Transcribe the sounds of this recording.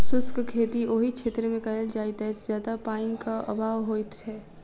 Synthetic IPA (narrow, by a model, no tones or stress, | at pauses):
sʊskkʰeːt̪ioɦikʃʰeːt̪ɾemẽkɐɦəld͡ʒaːɪt̪ɛszjaːd̪apaːĩkaʔɐ̰bʱaːʋɦoːit̪ɦɛː